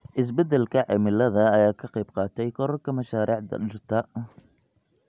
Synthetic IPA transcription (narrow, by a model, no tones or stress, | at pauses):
ʔɪs̬bɐd̪ɛlkʰɐʕɛmɪlːɐðɐːjaːkʰɐqɑjbqɑːt̪ʰɛjkʰɔɾɐrkʰɐmɐʃaːɾʔiːʕd̪ɐ̰ɗɪrt̪ʰɐ